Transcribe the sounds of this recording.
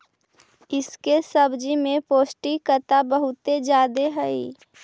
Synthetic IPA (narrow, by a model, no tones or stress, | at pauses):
ɪskesəbd͡ʒimẽpoːsʈikət̪abəɦʊt̪ed͡ʒjaːd̪eɦɛi